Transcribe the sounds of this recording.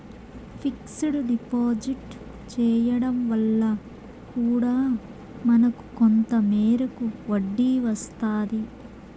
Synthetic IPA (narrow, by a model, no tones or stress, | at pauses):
pʰiksuɽuɖipoːd͡ʒiʈ | t͡ʃɛːjɐɽɐmʋɐlːɐ | kuːɽaː | mɐnɐku̥kont̪ɐmɛːɾɐkuʋɐɖːiʋɐst̪aːd̪i